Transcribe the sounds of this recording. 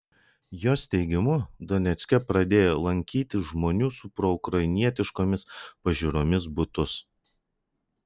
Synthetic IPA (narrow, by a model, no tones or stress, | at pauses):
joːst̪ʲɛɪɡʲɪmʊd̪ɔnʲɛt̪sʲkʲɛpɾɐd̪ʲeːjolˠɐŋʲkʲiːt̪ʲɪʒmoːnʲuːsʊpɾɔʊkɾɐɪnʲiɛt̪ʲɪʃkoːmʲɪspɐʒʲuɾoːmʲɪsbʊt̪ʊs